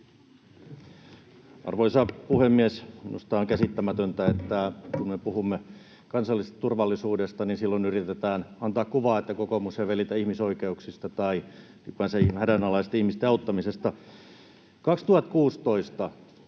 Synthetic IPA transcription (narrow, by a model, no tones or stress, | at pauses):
ɑ̰rʋoisɑpuhemːiesminṵst̪ɑːoŋkæsit̪ːæmæt̪ønt̪æet̪ːækunmepuhumːe | kɑnsɑlːist̪ɑt̪urʋɑlːisuːdest̪ɑninsilːonyrit̪et̪æːnɑnt̪ɑːkkuʋɑːet̪ːækokomuseʋʋelit̪æihmisoikeuksist̪ɑt̪ɑi | ikʋænsehædænɑlɑist̪ihmist̪eɑut̪ːɑmisest̪ɑ | kɑkst̪uhɑt̪kuːst̪oist̪ɑ